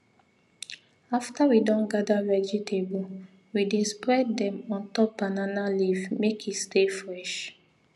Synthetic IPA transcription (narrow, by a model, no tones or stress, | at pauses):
aftawidɔ̃nɡadavɛd͡ʒitʰebu | widespɹɛddɛ̃mɔ̃ntɔpːananalivmekʰistefɹɛʃ